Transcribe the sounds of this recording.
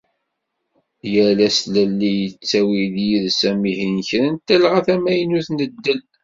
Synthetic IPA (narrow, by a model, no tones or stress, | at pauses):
jælæslælːijət͡sːæwiðjiðsæmihinçɾænt̪ːælʁaθæmæjənuθnəd̪ːəl